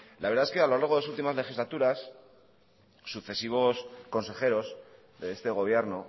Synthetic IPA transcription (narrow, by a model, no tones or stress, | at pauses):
laβeɾðaeskealo̞laɾɣo̞ðs̬ult̪imazle̞xizlat̪uɾas | uθe̞siβ̞o̞sko̞nse̞xe̞ɾo̞s | ðe̞est̪e̞ɣ̞o̞β̞je̞ɾno